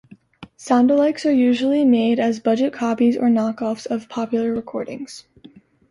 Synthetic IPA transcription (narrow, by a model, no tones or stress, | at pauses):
sæ̃ʊ̃ndəlaɪksə˞jʉʒl̩ˠimeɪɾɨzbʌd͡ʒɨt̚kʰɑpizə̰˞nɑkɔfsʌv̥pʰɑpjl̩ˠə˞ɹɨkʰɔɹɾɪ̰̃ŋz̥